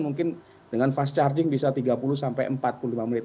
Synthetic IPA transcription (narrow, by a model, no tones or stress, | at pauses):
muŋkɪn | dəŋanfast͡ʃard͡ʒɪŋbisat̪iɡapulʊsampa̰jʔəmpat̪̚pululimamənɪt̪̚